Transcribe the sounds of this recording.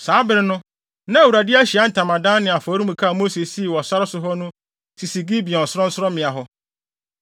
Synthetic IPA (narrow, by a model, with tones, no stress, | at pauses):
saː˨˦bɪ˦ɾɪ˦nʊ̃˦ | nã˦˨u˨ɾa˨dɪ˦a˦ɕi˨a˦n̩˨tʰã˨mã˨dã˦nɪ̃˨a˨fɔː˨˦ɾĩ˦mũ˨kʰa˦˨mo˦se˨si˦˨wɔ˨sa˦ɾɪ˦sʊ˦ɦɔ˦nʊ̃˦ | sʰi˨si˨ɡi˦bi˨ɔ̃˨n̩˨sʊ˦ɾɔ̃˦n̩˦sʊ˦ɾɔ˦mɪ̃˨a˨ɦɔ˦